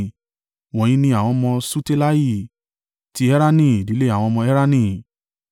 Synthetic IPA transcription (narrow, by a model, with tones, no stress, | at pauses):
w̃ɔ̃˨ĩ˦nĩ˧a˨w̃ɔ̃˧mɔ̃˧su˦te˦la˦ji˦˨ | ti˧˦ɛ˦ɾa˦nĩ˦˨di˨˦le˦a˦˨w̃ɔ̃˧mɔ̃˧ɛ˦ɾa˦nĩ˧˨